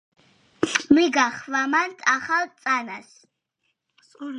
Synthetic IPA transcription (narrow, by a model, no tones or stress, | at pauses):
miɡaχvamant̪ʰaχalt̪sʼanas